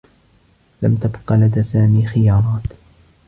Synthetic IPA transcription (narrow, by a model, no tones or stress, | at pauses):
lamt̪abqɑlad̪aːsaːmiːxɪjɑːɾˤɑːt̪